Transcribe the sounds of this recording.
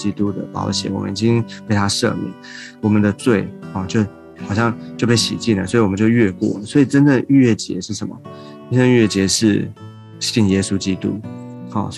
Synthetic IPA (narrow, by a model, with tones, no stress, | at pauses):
i˥t̪u˦d̪ə̰˨pɑ̰˧˥ʊɕjɛ̰˨˩wɔ̰˨˩mə̰˦i˨˩t͡ɕi˦ŋwe˥˩ɪt̪ʰa˥ʂɤ̰˥˧mjɛ̰˨˩nwɔ˨˩mə˨˦nd̪ə˨t͡swe˥˩ɪɑ˥˩t͡ɕjo˥˩ʊ | xɑ˨˩ʊɕjɑ˥˩ŋt͡ɕjo˥˧ʊpe˥˩ɪɕḭ˨˩t͡ɕi˥˩nlə̰˨˩swɔ˧˥i˨wɔ˨mə˦t͡ɕo˥˧ʊɥɛ˥˧kwɔ̰˥˨˩lə˨˩swɔ˧˥i˨˩ʈ͡ʂə˥nʈ͡ʂə˥˧ny˥ɥɛ˥˩t͡ɕjɛ̰˧˥ʂɻ̩˥˩ʂə˨˦mə̰˩ | ʈ͡ʂə˥nʈ͡ʂə˥˧nɥɛ˥˩t͡ɕjɛ˧˥ʂɻ̩˥˩ | ɕi˥˩njɛ˦˥su˥t͡ɕi˥t̪u˦˥xɑ̰˥˩